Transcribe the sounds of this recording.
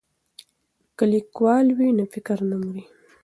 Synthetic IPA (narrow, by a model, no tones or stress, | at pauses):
kalikwɑlwinafɪkɾnamuɾi